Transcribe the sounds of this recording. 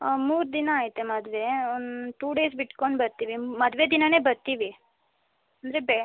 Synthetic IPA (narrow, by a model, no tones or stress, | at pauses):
muːɾd̪inɐaːjt̪ːemɐd̪ʋe̞onʈ̪uːɖe̞ːs̬biʈkoɳɖbɐɾt̪iʋimɐd̪ʋed̪inɐne̞ːbɐɾt̪iːʋi | ɐnd̪ɐɾebe